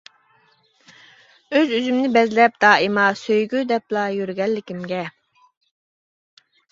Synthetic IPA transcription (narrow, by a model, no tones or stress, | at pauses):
øzyzymnɪbɛzlɛp̚d̪ɑːimɑsøjɡʲyd̪ɛplˠɑjyɾɡʲɛlːɪkʲimɡʲɛ